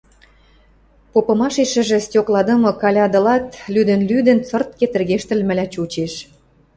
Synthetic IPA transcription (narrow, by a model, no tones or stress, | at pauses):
popɤ̆mɑʃeʃə̆ʒĕstʲoklɑd̪ə̆mɤ̆kɑlʲɑd̪ɤ̆lɑt̪lyd̪ə̆nlyd̪ə̆nt͡sɤ̆rt̪̚ket̪ə̆rɣeʃt̪ə̆lmɘ̆lʲæt͡ɕut͡ɕeʃ